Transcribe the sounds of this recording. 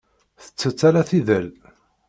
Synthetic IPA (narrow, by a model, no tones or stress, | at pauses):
θə̥t͡sːət͡sːæɾæθiðəl